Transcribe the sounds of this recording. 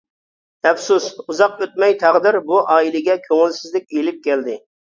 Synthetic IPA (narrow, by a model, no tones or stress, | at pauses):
ɛfsusuzɑqøt̪̚mɛjt̪ʰæʁd̪ɪɾbuʔɑːilˠɪɡʲɛkʲʰøŋɪlsɪzlɪkʲelɪp̚kʲʰɛld̪ɪ